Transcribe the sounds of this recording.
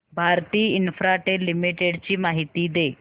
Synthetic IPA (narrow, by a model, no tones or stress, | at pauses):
bʱaːɾt̪iːɪnfʰɾaːʈelɪmɪʈeɖt͡ɕimaːɦɪt̪id̪eː